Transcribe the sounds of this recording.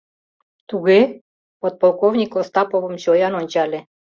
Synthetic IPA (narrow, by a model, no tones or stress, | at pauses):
t̪uɣe | pot̪̚polˠkovnʲikost̪ɑpoβəmɕojɑnonʲt͡ɕɑlʲe